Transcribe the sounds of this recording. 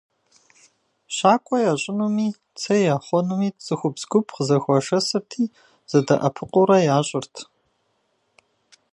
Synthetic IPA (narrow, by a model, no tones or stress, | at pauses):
ɕaːkʷʼɔjaːɕʼɪnumiː | t͡sʰɐjaːχʷɔnumiːt͡sʼɨxʷʊbz̥ɡʷʊpʰqəzɐxʷɔʂɐsɨrtʰiː | z̥ɐdɐʔɐpʰɨqʷʼʊɾɐjaːɕʼɪrtʰ